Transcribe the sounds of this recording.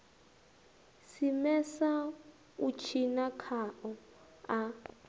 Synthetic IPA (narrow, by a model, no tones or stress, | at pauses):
simɛsa | ut͡ʃʰinakʰaʔɔ | a